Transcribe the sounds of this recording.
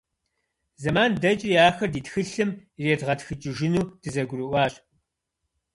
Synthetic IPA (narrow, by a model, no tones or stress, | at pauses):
zɐmaːndɐt͡ʃʼɪjaːxɐrdiːtxɨɬɨmreːdʁɐtxɨt͡ʃʼɪʒɪnuːd̥ɨzɐɡʷʊɾɨʔʷɑːɕʼ